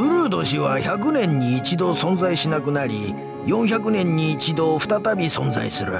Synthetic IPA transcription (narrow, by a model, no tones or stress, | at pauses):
ɸɯ̟ɾɯ̟ːd̪o̞ɕiβaçak̬ɯ̟nẽ̞ɲ̟ːiːt͡ɕid̪o̞sõ̞nzaiɕinakɯ̟naɾʲi | jõ̞ɰ̃çak̬ɯ̟nẽ̞ɲ̟ːiːt͡ɕid̪o̞ɸɯ̟̥t̪at̪abʲisõ̞nza̰isɨɾɯ̟̰